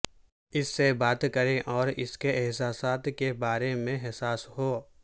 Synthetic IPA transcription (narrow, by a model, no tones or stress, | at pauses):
ɪsːebaːt̪kəɾẽʔɔːɾɪ̰skeʔɪɦsaːsaːt̪kebaːɾemẽɦɛsaːsɦoː